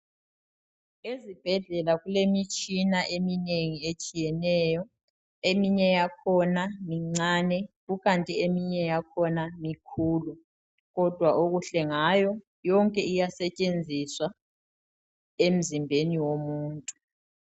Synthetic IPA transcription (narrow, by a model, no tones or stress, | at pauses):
ezib̥ʱɛɮɛlaɣulemit͡ʃʼinaʔemineŋiet͡ʃʼijɛnɛːjɔ | emiɲɛjakʰɔnamiŋ͡ǀaːnɛɣuɣantʼiemiɲɛjakʰɔnamikʰuːlu | ɣɔd̥ʱwaʔoɣuɬɛŋajɔ | jɔŋkʼɛijasɛt͡ʃʼend͡zʱiswa | em̩zimbʱeniwomuːntʼu